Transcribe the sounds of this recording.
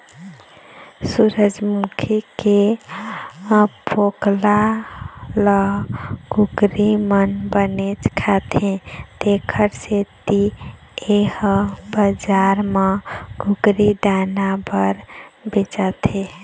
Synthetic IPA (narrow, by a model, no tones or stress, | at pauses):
suɾəd͡ʒmukʰike | pʰokla | ləɦɡuɡɾimənbənet͡ʃkʰat̪ʰẽd̪̥ekʰəɾset̪i | ehəbəd͡ʒaɾməɡuɡɾid̪anabəɾbet͡ʃat̪ʰe